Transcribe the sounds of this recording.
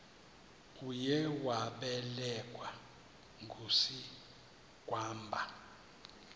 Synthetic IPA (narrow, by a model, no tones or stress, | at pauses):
ujɛwaɓɛlɛkʼwa | ŋɡʱusi | ɡ̥ʱʼwaːmbʱa